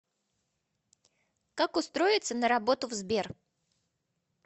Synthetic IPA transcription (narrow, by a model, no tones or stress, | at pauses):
kakʊst̪ɾo̞ɪt̪sənəɾɐbo̞t̪ʊvzbʲe̞r